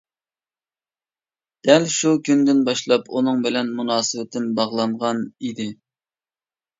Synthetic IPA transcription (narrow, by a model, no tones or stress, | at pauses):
d̪̥ɛlʃukʲʰynd̪ɪnbɑʃlˠɑpunɨŋbɪlɛnmunɑːsɨwɪt̪ʰɪnbɑʁlˠɑɴʁɑnid̪ɪ